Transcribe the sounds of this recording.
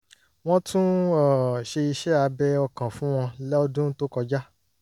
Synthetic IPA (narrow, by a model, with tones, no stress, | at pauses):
w̃ɔ̃˦tũ˦ɔ˨ʃe˧i˧ʃɛ˦a˧bɛ˦ɔ˧kã˨fũ˦w̃ɔ̃˧lɛ˦ɔ˦dũ˦n̩˦to˦kɔ˧d͡ʒa˦